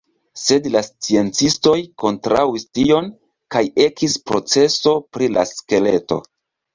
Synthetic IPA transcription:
se̞dlast͡sie̞nt͡sisto̞jko̞ntɾawistio̞n | kaje̞kʰispɾo̞t͡se̞so̞pɾila̰ske̞le̞to̞̰

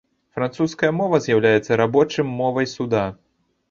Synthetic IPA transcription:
fɾant̪suskɐjɐmɔvɐzʲjawlʲajɛt̪sːɐɾabɔt͡ʂɨmːɔvɐjsud̪a

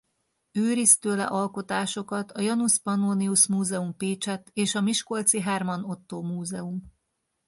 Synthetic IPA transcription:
øːɾist̪øːlɛ̰ʔɒlko̞t̪aːʃo̞kɒt̪ʰɒjɒnuspɒnoːniuʃmuːzɛumpeːt͡ʃɛt̪ːeːʃɒmiʃko̞lt̪siɦɛrmɒno̞t̪ːoːmuːzɛum

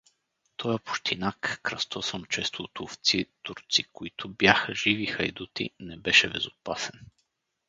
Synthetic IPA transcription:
t̪ʰɔjəpʊ̥ʃt̪ʰinakːɾɐst̪ɔsəmt͡ʃɛst̪oːt̪ʊft̪sit̪uɾt̪sikoit̪ʰʊbjaxəʒivixɐjd̪ut̪ḭnɛbɛʃɛbɛ̰zʊpasɛn

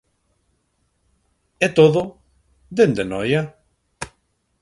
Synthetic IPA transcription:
ɛt̪oðʊ | d̪end̪enɔja

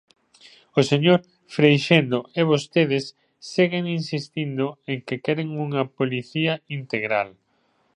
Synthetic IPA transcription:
oseɲoɾ | fɾejʃend̪oeβ̞ost̪eð̞ɪsː | iɣeŋinsist̪ind̪ʊeŋkekɛɾeŋuŋɐpoliθiɐint̪eɣɾa̰l

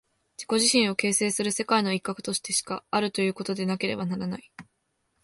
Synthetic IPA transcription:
d͡ʑiko̞ʑiɕĩɰ̃o̞ke̞ːse̞ːsɨɾɯ̟se̞kaino̞ikːakɯ̟t̪o̞ɕi̥t̪e̞ɕi̥kaaɾɯ̟t̪o̞jɯ̟ːko̞t̪o̞d̪e̞nake̞ɾe̞banaɾanai

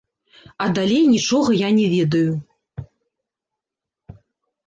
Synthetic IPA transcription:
ɐd̪alʲejnʲit͡ʂɔɣɐjanʲɛvʲɛd̪ɐju

